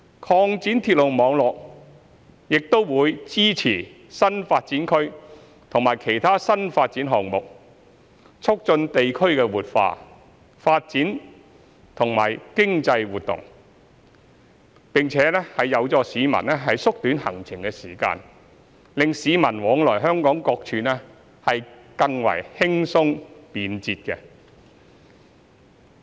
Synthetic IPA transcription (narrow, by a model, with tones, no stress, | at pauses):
kʰɔː˧ŋt͡siː˨˥nt̪ʰiː˧t̚lo˨˩wmɔː˨˧ŋlɔː˨k̚ | jɪ˨k̚t̪o˥wwuː˨˧jt͡siː˥t͡sʰiː˨˩ | sɐ˥nfaː˧t̚t͡siː˨˥nkʰɵ˥ɥ | t̪ʰʊ˨ŋmaː˨˩jkʰe˨˩jt̪ʰaː˥sɐ˥nfaː˧t̚t͡siː˨˥nɦɔː˨˩ŋmʊ˨k̚ | t͡sʰʊ˥k̚t͡sɵ˧nt̪e˨jkʰɵ˥ɥkɛː˧wuː˨t̚fa̰ː˧ | faː˧t̚t͡siː˨˥n | t̪ʰʊ˨˩ŋma̰ː˨˩jkɪ˥ŋt͡sɐ˧jwuː˨t̚t̪ʊ̰˨˩ŋ | pɪ˨ŋt͡sʰɛː˨˥nɛ˥hɐ˨jɐ˨˧wt͡sɔː˧siː˨˧mɐ̰˨˩nɛ˥ɦɐ˨jsʊ˥k̚t̪yː˨˥nhɐ̰˨˩ŋt͡sʰɪ˨˩ŋkɛ˧siː˨˩ka̰ː˧n | lɪ˨ŋsiː˨˧mɐ˨˩nwɔː˨˥ŋlɔː˨˩jɦœː˥ŋkɔː˨˥ŋkɔː˧k̚t͡ʃʰyː˨˧nɛ˥ | hɐ˨jkɐ˧ŋwɐ̰˨˩jhɪ˥ŋsʊ˥ŋpiː˨˧nt͡siː˧t̚kɛ˧